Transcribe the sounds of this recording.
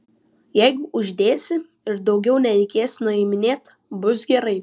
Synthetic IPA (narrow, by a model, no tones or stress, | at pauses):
jɛɪɡʊʔʊʒʲd̪ʲeːsʲɪ | ɪɾd̪ɒʊɡʲɛʊnʲɛɾʲɛɪkʲeːsʲnʊɛɪmʲɪnʲeːt̪ | bʊs̬ɡʲɛɾɐɪ